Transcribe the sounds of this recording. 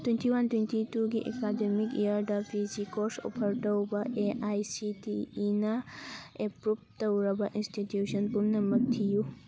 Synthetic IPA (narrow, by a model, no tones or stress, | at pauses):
t̪wentiwantwentituɡiʔḛkademikijaɾdɐpʰizikoɾso̰pʰɐɾʈɐwbɐʔeʔajsitiːnɐepɾup̚tɐwɾɐbɐʔinstitjuʃənpumnɐmɐk̚t̪ʰiju